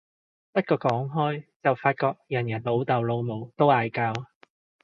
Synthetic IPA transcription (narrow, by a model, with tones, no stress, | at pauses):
pɐ˥t̚kɔː˧kɔː˨˥ŋɦɔː˥jt͡sɐ˨˩wfaː˧t̚kɔː˧k̚jɐ˨˩njɐ˨˩nlo˨˧wt̪ɐ˨wlo˨˧wmo˨˧wt̪o˥waː˨˧jkaː˧w